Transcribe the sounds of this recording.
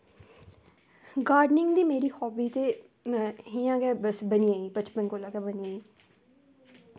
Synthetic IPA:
ɡaːɾɖnɪ̃ŋɡd̪iːmeːɾiːhɔːbiːt̪eː | ɦijãːɡɛːbəsbəniãːiːbət͡ʃpənkoːlaːɡɛːbəniaːiː

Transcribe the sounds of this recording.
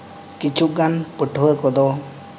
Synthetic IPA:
kit͡ʃʰuʔɡanpəʈʰɔwəkɔd̪ɔ

